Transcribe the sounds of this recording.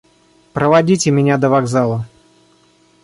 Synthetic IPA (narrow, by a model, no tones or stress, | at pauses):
pɾəvɐdʲitʲɪmʲɪnʲad̪əvaɡzalˠə